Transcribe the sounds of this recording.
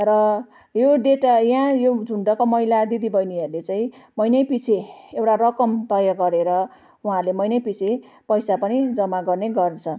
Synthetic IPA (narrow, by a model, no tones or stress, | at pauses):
rʌ | joɖeʈajãjod͡zʱuɳɖʌkomʌilad̪id̪ibʌjniʌɾulet͡saĩmʌjnʌjpit͡sʰeewʈarʌkʌmt̪ʌjaɡʌɾeɾʌ | ũɦãɾlemʌjnʌjpit͡sʰe | pʌjsapʌnid͡zʌmaɡʌrneɡʌrt͡sʰʌ